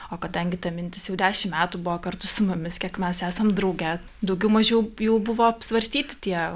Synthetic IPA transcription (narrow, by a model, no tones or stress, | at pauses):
oːkɐd̪ɐŋʲɡʲɪt̪ɐmʲɪnʲt̪ʲɪsjɛʊd̪ʲæːʃʲɪmmʲæːt̪uːbʊʋoːkɐrt̪ʊsʊmʊmʲɪskʲiɛkmʲɛsæːsɐmd̪ɾɐʊɡʲɛ | d̪ɐʊɡʲɛʊmɐʒʲɛʊjɛʊbʊʋoːɐpsʋɐɾʲsʲt̪ʲiːt̪ʲɪ̥t̪ʲiɛ